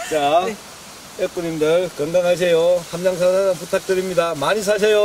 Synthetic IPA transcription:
t͡ɕa | jek̚p͈uɲimdɯɭkɯŋɡaŋɦaɕ̬ʰe̞johamɲaŋs̬ʰaaaputʰak̚t͈ɯɾimɲidamaɲis̬ʰaɕ̬ʰejo

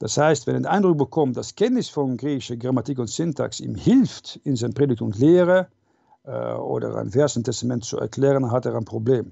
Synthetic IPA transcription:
d̥ashaɪstvɛnɛdʔaɪndʁʊk̚b̥əkʰɔmtd̥askʰɛntnɪsfɔnɡʁiːçɪʃəɡʁamatikʊntsɪntʰa̰ksḭːmhɪlftɪnzaɪnpʁ̥eːdɪk̚tʊmtleːʁə̰ | o̰ːdə̰ʁa̰ɪnvɛɐzn̩tʰɛstamɛntt͡suɛ̰ɐkl̥ɛːʁənɦateːʁaɪnpʁ̥obleːm

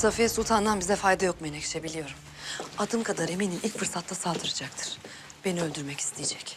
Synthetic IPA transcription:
safesulˠt̪ʰand̪anbizɛfajd̪ajo̞k̚majinecʰi̥ʃʰe̞bilʲijo̞ɾum | ad̪ɯmkʰad̪aɾɯemeninʔilʲcfɯɾsat̪lasaːd̪ɯɾɯd͡ʒak̚t̪ʰɯ̥ɾ̥ | b̥e̞niølʲd̪yɾmɛcʰi̥st̪ʰijed͡ʒɛc

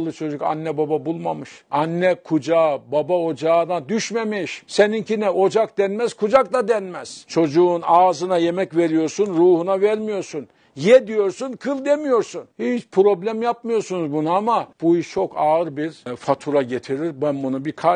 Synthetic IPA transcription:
lˠːɯt͡ʃʰo̞d͡ʒuka̰nːɛbababulˠmamɯʃanːɛkʰud͡ʒaːbabao̞d͡ʒaːd̪ad̪yʃmemiʃsenincinɛo̞d͡ʒak̚d̪ænmɛz̥kʰud͡ʒak̚d̪ad̪ɛnmɛz̥t͡ʃʰo̞d͡ʒuːnaːzɯnaje̞mɛcve̞ɾijo̞ɾsunɾuːhunavɛɾmijo̞ɾsun | jed̪ijo̞ɾsunkʰɯlˠd̪emijo̞ɾsunhit͡ʃpʰɾo̞blʲæmjap̚mɯjo̞ɾsunuzbunaamab̥uiʃt͡ʃʰo̞kaɯɾbiɾfat̪ʰuɾaɟe̞t̪ʰiɾiɾbænbunubikʰa

